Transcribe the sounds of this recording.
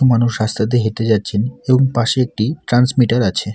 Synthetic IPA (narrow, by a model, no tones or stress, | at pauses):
omanuʃast̪ʰat̪̬eɦet̪ed͡ʑat̪ːɕʰeneboŋpaʃeek̚ʈiʈɾansmiʈaɾat͡ɕʰe